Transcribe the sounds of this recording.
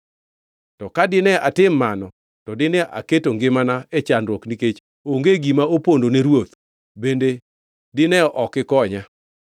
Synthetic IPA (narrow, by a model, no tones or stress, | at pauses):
tɔkadɪnɛatɪmːanɔ | tɔdɪnɛʔa̰ketoŋɡɪmanaet͡ʃanɾwɔkniket͡ʃ | oŋɡeɡimaopondoneɾwot̪ | bende | dɪnɛʔɔkɪkɔɲa